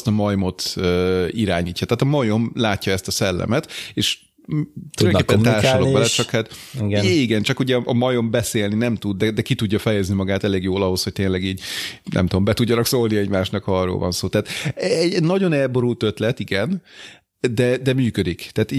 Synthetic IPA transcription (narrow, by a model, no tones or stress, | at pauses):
st̪ɒmɒjmo̞t̪øːiɾaːɲiːcːɒt̪aːt̪ɒmɒjo̞mlaːcːɒɛst̪ɒsɛlːɛ̰mɛt̪eːʃ | t̪ylɛŋkːepːɛnt̪aːrʃollokɛlɛt͡ʃɒkhat̪iɡiɡɛnt͡ʃɒkuɟɛʔɒmɒjo̞mbɛseːlninɛmt̪ud̪ːɛd̪ɛkit̪uɟːɒfɛjɛznimɒɡaːt̪ɛleːɡjoːlɒɦo̞sho̞c̚t̪eːnlːɛɡiːɟnɛ̰mt̪ud̪ombɛt̪uɟːɒnɒksolniɛɟmaːʃnɒkɒrːo̰lvɒ̰nsoːt̪aːt̪ɛɟnɒɟo̞nɛlbo̞ɾult̪ø̞t̪lɛt̪iɡɛn | d̪ɛd̪ɛmyːkød̪ikt̪ɛːt̪i